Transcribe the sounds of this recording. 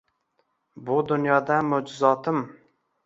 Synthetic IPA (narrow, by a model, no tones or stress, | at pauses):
bʊd̪ʊnjɒd̪amod͡ʒʊzɒt̪ʰɪm